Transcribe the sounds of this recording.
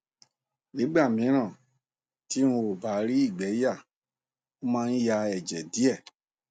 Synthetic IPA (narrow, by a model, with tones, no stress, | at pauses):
nĩ˨˦ɡ͡ba˦˨mĩ˨˦ɾ̃ã˦˨ | ti˦ũ˧o˨ba˨˦ɾi˦i˦˨ɡ͡bɛ˨˦ja˦˨ | o˦mãː˦˧n̩˦ja˧ɛ˨d͡ʒɛ˨di˨˦ɛ˦˨